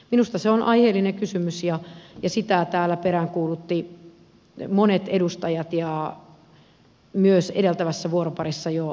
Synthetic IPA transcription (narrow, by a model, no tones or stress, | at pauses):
minust̪ɑseonʔɑiheːlːinekysymysjɑjɑsit̪æt̪æːlːæpeɾæŋkuːlut̪ːi | monet̪edust̪ɑjɑt̪jɑ | myøsedelt̪æʋæsːæʋuoɾopɑrisːɑjo